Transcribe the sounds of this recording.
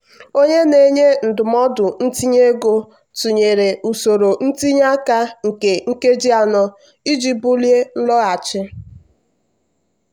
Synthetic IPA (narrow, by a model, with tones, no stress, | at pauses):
o˦ɲe˦ne˨ɲe˦n̩˨dʊ˨mɔ˦dʊ˨n̩˦ti˦ɲe˦ɡo˦ | tu˨ɲe˨ɾe˨ʔu˨so˨ɾo˨n̩˦ti˦ɲ˦a˦ka˦ŋ̩˨ke˨ŋ̩˦ke˦d͡ʒi˦a˨nɔ˦ | i˦d͡ʒi˦bʊ˦lje˦n̩˦lɔ˦a˨t͡ʃɪ˦